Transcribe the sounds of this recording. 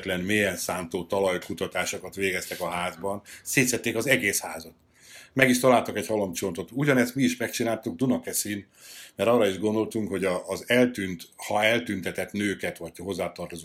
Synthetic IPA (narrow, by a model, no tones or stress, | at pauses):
t̪lɛnmeːjɛnsaːnt̪oːt̪ɒlɒjkut̪ɒt̪aːʃokɒt̪ʋeːɡɛst̪ɛkɒɦaːzbɒnseːt̪sɛt̪ːeːkɒzɛɡeːshaːzɒt̪ | mɛɡiʃt̪ɒlaːlt̪ɒkɛɟhɒlɒmt͡ʃo̞nt̪o̞t̪uɟɒnɛst̪miːʃmɛkt͡ʃinaːlt̪uɡ̚d̪unɒkɛsin | mɛɾɒrɒiʒɡo̞nd̪o̞lt̪uŋkho̞ɟɒːzɛlt̪ynt̪hɒɛlt̪ynt̪ɛt̪ɛt̪nøːkɛt̪ʋɒc̚ɦo̞zːaːt̪ɒrt̪ozo